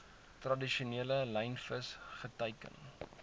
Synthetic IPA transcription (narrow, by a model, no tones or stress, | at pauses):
trɐdiʃuniələlɛjnfəsχətəjkə̰n